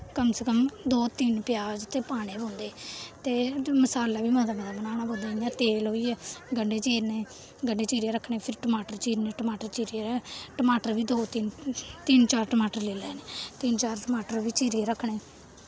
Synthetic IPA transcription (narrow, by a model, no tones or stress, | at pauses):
kəmsekəmd̪oːt̪ɪnpjaːd͡ʒt̪eːpaːɽeːbõːnd̪eːt̪eːməsaːlːaːbiːmãːd̪amad̪aːbənaːɳaːbõːnd̪aːjãːt̪eːlɦoːiːɛːɡəɳɖeːt͡ʃeːɾnẽː | ɡəɳɖeːt͡ʃiːɾeːɾəkʰɳeːpʰɪɾʈəmaːʈəɾt͡ʃiːɾneːʈəmaːʈəɾt͡ʃiːɾeːɛːʈəmaːʈəɾʋiːd̪oːt̪ɪnt̪ɪnt͡ʃaːɾʈəmaːʈəɾleːlɛːneːt̪ɪnt͡ʃaːɾʈəmaːʈəɾʋiːt͡ʃiːɾeɾəkʰːɳeː